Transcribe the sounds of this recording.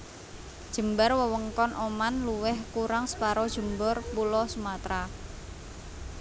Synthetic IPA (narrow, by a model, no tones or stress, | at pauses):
d̥ʒ̥ə̤mbarwəwəŋkɔnʔomanluwɛhkuɾaŋsə̥paɾɔd̥ʒ̥ə̤mbɔrpulɔsumat̪ɾa